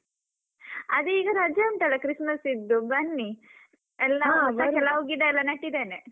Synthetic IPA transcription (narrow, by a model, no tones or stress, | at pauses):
ɐd̪uiːɡɐɾad͡ʒjɐmʈ̪ɐlːɐkɾismɐsid̪ːubɐnːi | ɛlːɐɐkɛlːɐɦoːɡid̪eɛlːɐnɐʈːid̪eːne